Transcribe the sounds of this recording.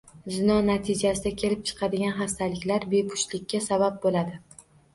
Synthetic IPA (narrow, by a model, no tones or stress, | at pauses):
zɪnɒnat̪ʰɪd͡ʒasɪd̪akʲʰe̞lɪp̚t͡ʃʰɨ̥qʰɑd̪ɪɡʲanɦast̪alɪkʲlaɾbe̞pʰʊ̥ʃlɪkʲːasabap̚bolad̪ɪ